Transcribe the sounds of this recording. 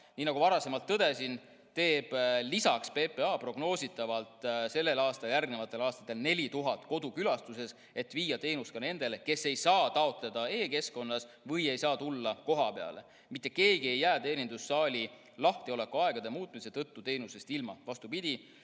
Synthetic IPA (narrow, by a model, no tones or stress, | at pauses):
niːnɑɡuvɑɾɑse̞mɑlt̪ːɤd̪e̞sin | t̪e̞ːb̥lisɑkspe̞ːpe̞ɑːpro̞ɡno̞ːsit̪ːˑɑvɑlt̪ˑse̞lːe̞lɑːst̪ɑljæɾɡne̞vɑt̪ːˑe̞lɑːst̪ɑt̪ːˑelne̞lʲit̪uɦɑt̪ːˑko̞d̪ukylɑst̪use̞s | e̞t̪ːviːjɑt̪e̞ːnust̪kɑne̞nd̪e̞leke̞sːe̞jsɑːt̪ɑo̞t̪le̞d̪̥ɑe̞ːke̞sko̞nːɑs | vɤje̞jsɑːt̪ulːɑko̞ɦɑpeɑ̰le̞̰ | mit̪ːˑeke̞ːɡie̞jːæːt̪e̞ːnʲind̪usːɑːlʲi | lɑht̪io̞le̞kuɑe̞ɡ̥ɑd̪e̞muːt̪ːˑmise̞t̪ɤ̞t̪ːut̪e̞jnuse̞st̪ilmɑvɑst̪upid̪̥ʲi